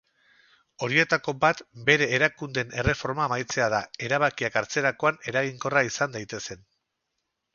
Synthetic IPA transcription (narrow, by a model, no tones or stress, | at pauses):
o̞ɾie̞t̪ako̞bat̪be̞ɾe̞ːɾakund̪e̞ne̞re̞fo̞ɾmamajt͡se̞aðae̞ɾaβakiakaɾt͡se̞ɾako̞ane̞ɾaɣ̞iŋko̞raisand̪ajt̪e̞se̞n